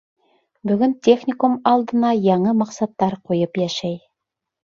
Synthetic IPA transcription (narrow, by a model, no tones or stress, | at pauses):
bɵ̆ɡɵnt̪ʲeχnʲɪkumɑlˠd̪ɤ̆nɑjɑɴɤmɑqsɑt̪ːɑɾqujɤpjæʃæj